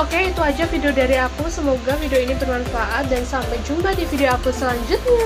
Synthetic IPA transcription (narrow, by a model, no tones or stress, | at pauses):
okeit̪uad͡ʒafidiodaɾiakusəmoɡafidioinibərmanfaʔat̪̚dansampajd͡ʒumbadifidioakusəlaɲd͡ʒʊtt̪̚ɲa